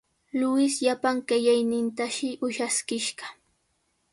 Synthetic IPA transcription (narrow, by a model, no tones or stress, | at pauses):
lʊɪsʎapaŋkajajnɪnt̪aʃɪʔʊʃaskɪʃɢɑ̥